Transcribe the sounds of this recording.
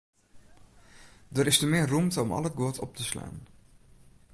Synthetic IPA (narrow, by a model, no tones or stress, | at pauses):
dəɾɪstəmɪːərumtəɔmɑ̰lˠət̚ɡoːtʰɔp̚təsla̰ːn